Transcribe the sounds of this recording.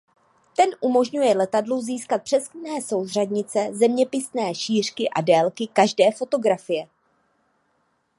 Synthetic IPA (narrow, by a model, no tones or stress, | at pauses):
t̪ɛnʔumo̞ʒɲujɛlɛt̪adluziːskat̪̚pr̥ɛsknɛːso̞wr̝adɲɪt͡sɛzɛmɲɛpɪsnɛːʃiːr̝̥kɪʔa̰dɛːlkɪkaʒdɛːfo̞t̪o̞ɡɾafɪjɛ